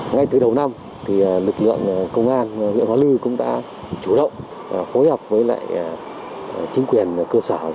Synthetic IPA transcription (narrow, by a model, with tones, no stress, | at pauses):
ŋa˧jt̪ɨ˨˩ɗə˨˩wna˧m | t̪ʰi˨˩lɨ˨˩k̚lɨ̰˧˨əŋ˨˩kə˧wŋ͡mʔaː˧nhwḭ˧˨nhwaː˧˦lɨ˧kʊ̰˧˥ŋ͡mɗa̰ː˧˥ | t͡ɕu˧˩ɗə̰˧˨wŋ͡m | fo˨˦jhɔ˨˩wp̚vəː˨˦jla̰ː˧˨j | t͡ɕï˨˦ŋ̟kwi˨˩ənkəː˧səː˧˩